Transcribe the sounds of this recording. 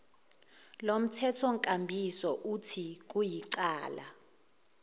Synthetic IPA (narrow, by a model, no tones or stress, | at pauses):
lom̩tʰɛtʰɔŋkʼambʱisɔʔutʰik̬ujiǃaːla̰